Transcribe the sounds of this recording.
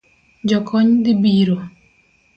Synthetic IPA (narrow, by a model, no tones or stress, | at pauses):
d͡ʒɔkʰɔɲd̪ibiɾo